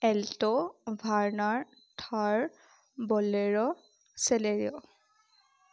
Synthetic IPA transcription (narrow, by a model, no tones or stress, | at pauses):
ɛltɔbʱaɹnaɹ | tʰaɹ | bɔleɹɔ | sɛleɹiɔ